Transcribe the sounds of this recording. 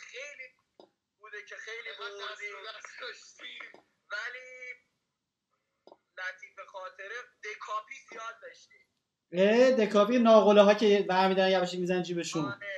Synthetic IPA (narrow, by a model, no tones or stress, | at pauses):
xejliː | buːd̪ecʰexejlibazisd̪ʃt̪i | væliː | læt̪ʰiːfexɒːt̪ʰeɾed̪ekʰɒːpʰiːzijɒːd̪̚ːɒːʃt̪i | ed̪ekʰɒːpinɒːɣolɛɦɒːcʰevæɾmid̪ɒɾænjæbeʃ̬emizænænd͡ʒiːbeʃun